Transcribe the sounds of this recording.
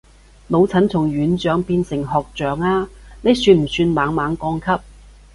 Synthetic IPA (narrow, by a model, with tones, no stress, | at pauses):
lo˨˧wt͡sʰɐ˨˥nt͡sʰʊ˨˩ŋɥyː˨˥nt͡ʃœː˨˥ŋpiː˧nsɪ˨˩ŋɦɔː˨k̚t͡ʃœː˨˥ŋaː˧ne˨˧jsyː˧nm̩˨˩syː˧nmaː˨˧ŋmaː˨˥ŋkɔː˧ŋkʰɐ˥p̚